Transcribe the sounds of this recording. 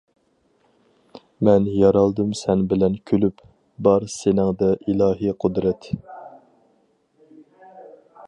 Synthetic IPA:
mɛnjɑɾɑlˠd̪ɨmsɛnbɪlɛnkʲʰølyp | bɑɾsenɪŋd̪ɛʔilˠɑːɦiqʰʊd̪ɾɛt̪

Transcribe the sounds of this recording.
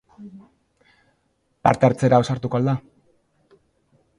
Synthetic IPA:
pa̰ɾt̪eaɾt͡se̞ɾaosaɾt̪uko̞ald̪a

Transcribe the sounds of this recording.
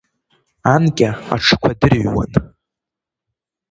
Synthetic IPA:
ankʲʼaa̰ʈ͡ʂʰɨ̥kʷʰadɨrɥwa̰n

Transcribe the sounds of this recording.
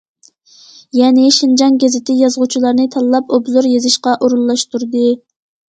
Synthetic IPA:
jɛnɪʃind͡ʒɑŋɡʲezɪt̪ʰɪjɑzʁʊt͡ʃʰilˠɑɾnɨt̪ʰɑlˠːɑpobzoɾjezɪʃqɑʔoɾulˠlˠɑʃt̪uɾd̪ɨ

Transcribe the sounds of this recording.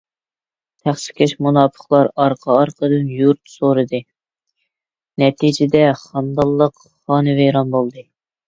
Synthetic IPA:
t̪ʰæχʃɪ̥kʲʰeʃmunɑːpʰə̥χlˠɑɾɑɾqʰɑɑɾqʰəd̪ɨnjuɾt̪soɾɨd̪ɨ | nɛt̪ʰid͡ʒɪd̪ɛχɑnd̪ɑlˠːəq | χɑːnɨvejɾɑnbolˠd̪ɨ

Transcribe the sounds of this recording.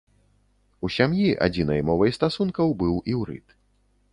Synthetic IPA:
usʲamjiʔa̰d͡zʲinɐjmɔvɐjst̪asunkɐwbɨwiwɾɨ̰t̪

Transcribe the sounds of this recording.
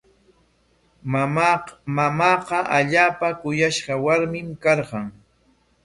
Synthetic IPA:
mamɑːqɑʔaʎaːpakʊjaʃɢɑwaɾmɪmkɑɾɢɑŋ

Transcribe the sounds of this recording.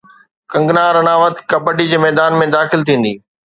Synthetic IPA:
kɐ̃ŋɡnaːɾɐnaːʋət̪kɐpəʈid͡ʑeːmɛːd̪aːnmẽd̪aːxɪlt̪ʰĩːn̆d̪iː

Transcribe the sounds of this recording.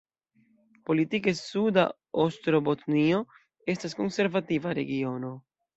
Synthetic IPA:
po̞litikesud̪a̰ | ost̪ɾobot̪nio | e̞stasko̞nse̞ɾvativaɾe̞̰ɡio̞no̞

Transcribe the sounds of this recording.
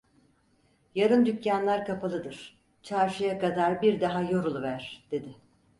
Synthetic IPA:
jaɾɯnd̪ycːjanlˠaɾkʰapʰalˠɯd̪ɯɾ̥ | t͡ʃʰaɾʃɯjakad̪aɾbiɾd̪aɦajoɾulˠuvæɾ̥d̪̥e̞d̪ɪ

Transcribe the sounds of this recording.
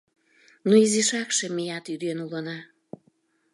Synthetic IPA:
nuiziʃɑkʃĕmijɑt̪yd̪enulənɑ

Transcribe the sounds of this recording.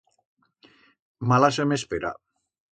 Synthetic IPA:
malas̬emespeɾa̰

